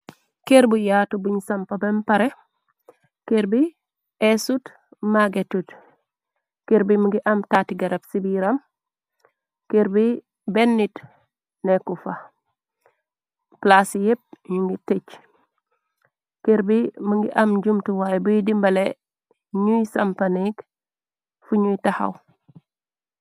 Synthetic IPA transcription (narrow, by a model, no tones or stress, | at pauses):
keɾbujatubuɲsampabempaɾe | keɾbi | esut | maɡetut | keɾbimuŋɡiʔamtatiɡaɾebsibiɾam | keɾbi | benːit | nekufa | plasjep̚ɲuŋɡitet͡ʃ | keɾbimuŋɡiʔamɟumtuwajbujdimbɐle | ɲujsampanik | fuɲujtaha̰w